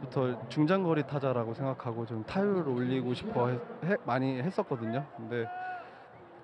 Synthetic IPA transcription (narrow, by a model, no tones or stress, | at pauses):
butʰʌt͡ɕuŋd͡ʑaŋɡʌɾitʰad͡ʑaɾaɡosʰe̞ŋɡakʰaɡot͡ɕomtʰajuɾɯɾoʎːiɡoɕʰi̥pʰʌɦeemaɲiɦe̞s͈ʌk͈ʌdɯɲokɯnde̞